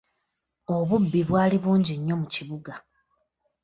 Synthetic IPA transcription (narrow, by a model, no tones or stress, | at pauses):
o̞βubːiβwaːliβuːɲɟiɲːo̞muciβuɡa